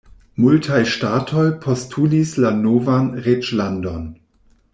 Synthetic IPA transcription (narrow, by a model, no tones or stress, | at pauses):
multʰajʃtaːtʰojpʰostʰulislanovanʁet͡ʃlandon